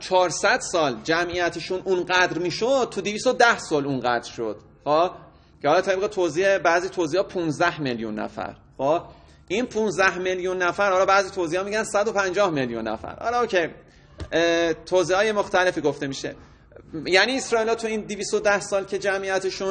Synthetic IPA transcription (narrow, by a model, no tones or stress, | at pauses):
t͡ʃʰɒːɾsæd̪sɒːld͡ʒæmʔijæt̪ʰeʃunʔunɢæd̪ɾmiːʃod̪̚t̪ʰud̪iviːst̪od̪æhsɒːlunɢæd̪̥ɾʃod̪̥ | xo | cʰehɒːlɒːt̪ʰeb̚ɣet̪ʰoziːebæːziːt̪ʰoziːhɒːpʰunzd̪æhmeljṵnːæ̰fæ̰ɾxob | ʔinpʰũnzd̪æhmeljunːæfæɾhɒlɒːbæːziːt̪ʰoziːhɒːmiːɟænsæd̪o̞pʰænd͡ʒɒːhmeljṵnːæ̰fæ̰ɾhɒ̰lɒocʰej | t̪ʰoːziːhɒːjemoxt̪æle̞fiːɡoft̪e̞miːʃe̞̰ | jæniːesɾɒːiːlɒːt̪ʰuiːnd̪iviːst̪od̪æhsɒːlcʰe̞d͡ʒæmʔijæt̪ʰeʃun